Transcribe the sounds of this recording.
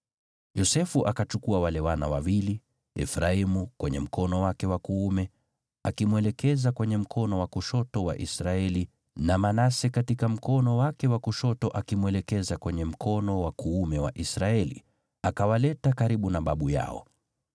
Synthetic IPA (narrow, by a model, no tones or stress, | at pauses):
jɔsɛfuʔakat͡ʃukuawalɛwana̰wawili | ɛ̰fɾaimukwɛɲɛ̰m̩kɔnɔwakɛwakuumɛ | akimwɛlɛkɛzakwɛɲɛm̩kʰɔnɔwakuʃɔtɔwa̰ʔisɾaɛli | namanasɛkatikam̩kɔnɔwakɛwakuʃɔtɔʔakimwɛlɛkɛzakwɛɲɛm̩kʰɔnɔwakuumɛwa̰ʔisɾaɛlḭ | akawalɛtakaɾiɓunaɓaɓuja̰ɔ̰